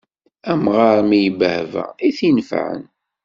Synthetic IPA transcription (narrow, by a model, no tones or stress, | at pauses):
æmʁɑɾˤmijəbəhvæ̰iθinfʕə̰n